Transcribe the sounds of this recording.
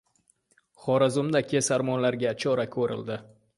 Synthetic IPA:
χɒɾazʊmd̪akʲʰesaɾmɒnlaɾɡʲat͡ʃʰɒɾakʰɵɾɪ̰ld̪ɪ

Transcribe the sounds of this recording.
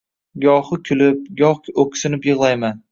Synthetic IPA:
ɡɒhʊkʲʰʊlɪp̚ɡʲɒχkokʲsɪnɪpjɨʁlˠajman

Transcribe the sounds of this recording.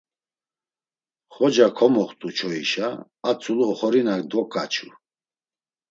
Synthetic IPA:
χɔd͡ʒakʰɔmɔχt̪ʼut͡ʃʰɔiʃaː | t͡sʰuluχɔɾinakd̪ɔkʼat͡ʃʰu

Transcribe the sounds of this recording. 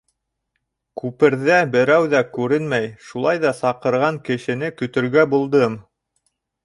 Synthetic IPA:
kʉpɘ̆ɾðæbɘ̆ɾæwðækʉɾɘnmæjʃulˠɑjðɑsɑqɤ̆ɾʁɑŋkɘ̆ʃɘ̆nɘkɵ̆t̪ɵ̆ɾɡæbulˠd̪ɤm

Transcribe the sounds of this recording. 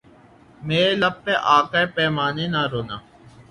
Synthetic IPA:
meːɾeləpːeʔaːkaepɛːmaːneːnaːɾoːnaː

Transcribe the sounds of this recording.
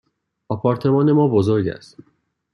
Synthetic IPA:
ɒpʰɒːɾt̪ʰe̞mɒːne̞mɒːbozoɾɟæ̰st̪

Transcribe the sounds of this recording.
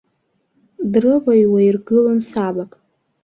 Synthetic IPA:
drɨvajwairɡɨlonsabakʼ

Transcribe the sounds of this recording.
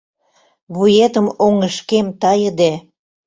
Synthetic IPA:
βujet̪əmoŋəʃkemt̪ɑjə̆d̪e

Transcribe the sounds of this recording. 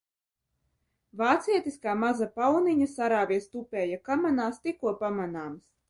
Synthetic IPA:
vaːt̪siɛt̪iskaːmazapawniɲasaɾaːvʲiɛst̪upʲɛːjakamanaːst̪ikuɔpamanaːms

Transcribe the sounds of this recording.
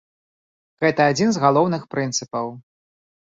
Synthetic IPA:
ɣɛt̪ɐad͡zʲinzɣalˠɔwnɨxpɾɨnt̪sɨpɐw

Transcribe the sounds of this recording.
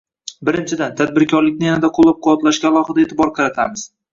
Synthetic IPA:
bɪɾɪnt͡ʃʰɪd̪ant̪ʰad̪̚bɪɾkʲʰɒɾlɪk̚ʲnɪjanad̪aqʰolˠːap̚qʰʊwɒt̪laʃɡʲaːlˠɒχɨd̪aet̪ʰɪbɒɾqʰɑɾat̪ʰamɪz̥

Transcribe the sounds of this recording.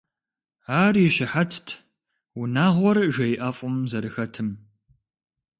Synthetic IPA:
aːrɪɕɪħatʰtʰ | wʊnaːʁʷɔrʒɐjʔɐfʼʊmzɐɾɨxɐtʰɨm

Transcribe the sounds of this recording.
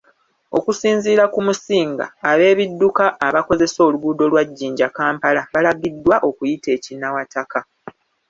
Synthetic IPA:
o̞̰kusiːnziːɾakumusiːŋɡa̰ːβe̞ːβidːukaʔːβako̞ze̞so̞ːluɡuːdo̞lwaɟːiːɲɟakaːmpalaβalaɡidwaʔo̞kujite̞ːcinawataka

